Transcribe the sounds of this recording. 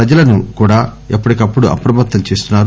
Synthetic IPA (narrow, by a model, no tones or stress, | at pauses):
pɾɐd͡ʒɐlɐnukuːɽaːepːuɽikɐpːuɽuʔɐ̰pɾɐmɐt̪ːɐmt͡ʃe̞ːst̪unːaːɾu